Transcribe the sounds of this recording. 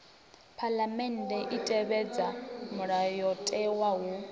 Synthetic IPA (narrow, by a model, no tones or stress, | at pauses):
pʰalamɛndɛʔitʼɛβɛd͡zamuɺajɔtʼɛwawu